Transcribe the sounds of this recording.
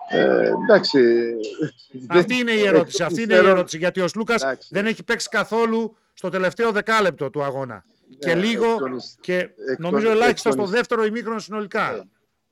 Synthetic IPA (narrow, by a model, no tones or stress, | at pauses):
ḛd̪ɐksi | ɐft̪iine̞ie̞ɾo̞t̪i̥siɐfiineieɾo̞t̪i̥siʝɐt̪io̞slukɐsðe̞ne̞çipe̞ksi̥kɐθo̞lu | st̪o̞t̪e̞le̞ft̪e̞o̞ðe̞kɐle̞p̚t̪o̞t̪uɐɣo̞nɐ̰ | ce̞liɣo̞ce̞no̞mizo̞e̞lɐçist̪ɐst̪o̞ðe̞ft̪e̞ɾo̞imixɾonosino̞likɐ